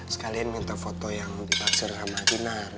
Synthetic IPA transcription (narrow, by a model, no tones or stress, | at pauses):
sə̥kalianmint̪ɔfot̪ɔjaŋdipasərsamat̪inar